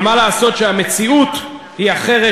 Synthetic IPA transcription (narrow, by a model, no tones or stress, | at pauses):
malaːso̞tʃeame̞t͡siut | hiaχe̞ʁe